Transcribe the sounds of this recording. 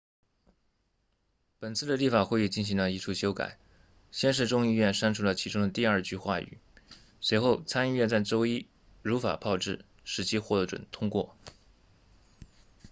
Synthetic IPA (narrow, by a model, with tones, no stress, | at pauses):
pə˨˩nt͡sʰɹ̩˥˩d̪ə˩li˥˩fa˨˩xwe˥˧i˥˧t͡ɕi˥˩nɕ̬i˧˥ŋlə˧i˧˥ʈ͡ʂʰu˥˩ɕjo˥ʊka̰˨˩˦ɪ | ɕjɛ˥˧nʂ̬ɻ̩˥˧ʈ͡ʂʊ˥ŋi˥˧ɥɛ˥˩nʂa˥nʈ͡ʂʰu˧˥lə˩t͡ɕʰi˧˥ʈ͡ʂʊ˥ŋd̪ə˨t̪i˥˧ɐ˞˥˧t͡ɕy˥˧xwa˥˩y̰˨˩˦ | swe˧˥ɪxo˥˩ʊt͡sʰa˥ni˥˧ɥɛ˥˧nt͡sa˥˩ɪʈ͡ʂo˥ʊi˥ | ɻu˧˥fa̰˨˩pʰɑ˥˧ʊʈ͡ʂɻ̩˥˩ | ʂɻ̩˧˥t͡ɕʰi˥xwɔ˥˩ɤ˧˥˩ʈ͡ʂwə̰˨˩nt̪ʰʊ˥ŋkwɔ̰˥˩